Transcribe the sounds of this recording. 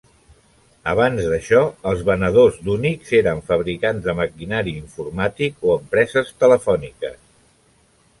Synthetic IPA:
əβanzðəʃɔəlˠzβənəð̞ozd̪unikzeɾəɱfəβɾikanzðəməkinaɾiiɱfurmat̪ikoəmpɾɛzəst̪ələfɔnikə̰s

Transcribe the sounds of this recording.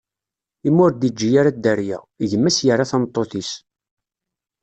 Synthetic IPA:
imːʊɾd̪id͡ʒːijaɾad̪ːæɾjæ̰ | ʝəmːæsjərːaθæmt̪ˤːoθis

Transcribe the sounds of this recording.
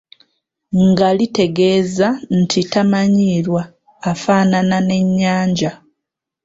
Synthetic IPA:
ŋɡalite̞ɡe̞ːzan̩tʰitamaɲiːɾwaː | faːnanane̞ɲːaːɲɟa

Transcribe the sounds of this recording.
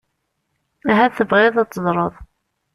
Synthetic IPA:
æɦæθəbʁɪðˤɑt͡s̪ːəzˤɾˤəðˤ

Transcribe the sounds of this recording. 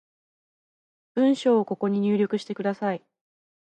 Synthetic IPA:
b̥ɯ̟̃ɰ̃ɕo̞ːko̞ko̞ɲ̟iɲ̟ʲɨːɾʲo̞kɯ̟ɕi̥t̪e̞kɯ̟d̪asai

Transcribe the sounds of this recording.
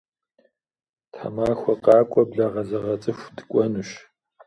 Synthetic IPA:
tʰa̰maːxʷɔqɑːkʷʼɔbɮɐʁɐzɐʁɐt͡sʼɨxʷdɨkʷʼɔnɨɕ

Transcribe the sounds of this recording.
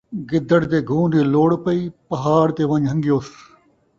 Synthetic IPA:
ɡɪd̪əɽt̪eːɡʱũːniːloːɽpəiːpɐɦaːɾt̪eːʋɐɲɦə̃ŋɡɪjoːs

